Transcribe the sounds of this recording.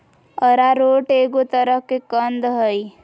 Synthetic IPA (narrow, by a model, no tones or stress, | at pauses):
əɾaɾoːʈeːɡot̪əɾəɦkekənd̪ɦəi